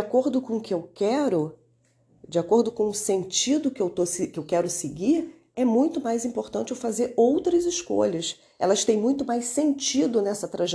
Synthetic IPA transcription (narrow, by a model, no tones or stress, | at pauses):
akoɾd̪ʊkõʊkɪewkɛɾʊ | d͡ʒɪakoɾd̪ʊkõʊsẽnt͡ʃid̪ʊkɪewt̪oskɪewkɛɾʊseɡiɾ | ɛmũj̃t̪ʊmajzĩmpoɾt̪ɐ̃nt͡ʃɪewfazeɾowt̪ɾɐzɪʃko̰ʎɐs | ɛ̰lɐst̪ẽj̃mũj̃t̪ʊmajssẽnt͡ʃid̪ʊnɛsɐt̪ɾaʒ